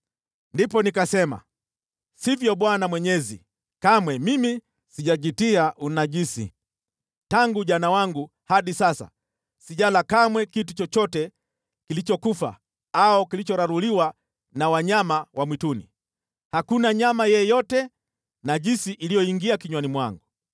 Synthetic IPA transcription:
ndipɔnikasɛma̰ | sivjɔɓwanamwɛɲɛzḭ | kamwɛmimi | siʄaʄitiaʔunaʄisḭ | taŋɡuʄanawaŋɡu | haɗisasa̰ | siʄalakamwɛkitut͡ʃɔt͡ʃɔtɛ | kilit͡ʃɔkufa̰ | aɔkilit͡ʃɔɾaɾuliwa | nawaɲamawʔamwitunḭ | hakunaɲamajɛjɔtɛ | naʄinsiʔilijɔiŋɡiakiɲwanimwa̰ŋɡu

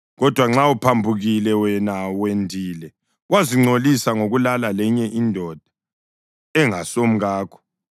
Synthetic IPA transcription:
ɣɔd̥ʱwaŋ͡ǁaupʰambʱuɣilɛwɛnawendʱiːlɛ | wʔaziŋ͡ǀolisaŋoɣulalalɛɲɛʔindʱɔd̥ʱḁ | ɛŋasom̩ɣaːkʰɔ̥

